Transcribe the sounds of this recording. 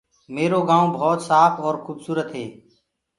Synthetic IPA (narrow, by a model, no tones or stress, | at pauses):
meːɾoːɡãːõːbʱɔːt̪saːpʰɔːɾxuːbsuːɾət̪ɦeː